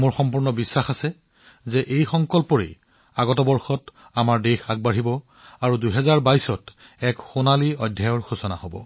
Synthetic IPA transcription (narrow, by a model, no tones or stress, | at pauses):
moɹxɔmpuɹnɔbisːaxasɛ | zɛʔejxɔŋkɔlpɔɹḛ | aɡɔtɔbɔɹxɔt | amaɹdexaɡ̚baɹibɔ | aɹuduɦɛzaɹbajsɔt | ɛkxonaliɔjdʱjajɔɹxusɔna̰hobɔ̰